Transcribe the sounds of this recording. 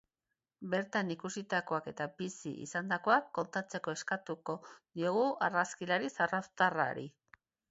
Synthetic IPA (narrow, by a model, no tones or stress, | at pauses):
be̞ɾt̪anikusit̪ako̞ake̞t̪abisḭʔḭsand̪ako̞akːo̞nt̪at͡se̞ko̞e̞skat̪uko̞d̪io̞ɣuaraskilaɾisaraft̪ara̰ɾḭ